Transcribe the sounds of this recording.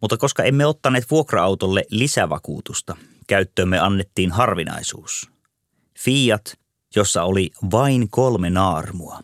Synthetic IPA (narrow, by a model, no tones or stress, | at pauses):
mut̪ːɑko̞skɑe̞mːeot̪ːɑneːt̪ʋuokrɑɑwt̪olːelisæʋɑ̰kṵːt̪ust̪ɑkæyt̪ːøːmːeɑnːet̪ːiːnɦɑrʋinɑ̰isṵːs | fiːjɑt̪ | jo̞sːɑoliʋɑiŋkolmenɑːrmuɑ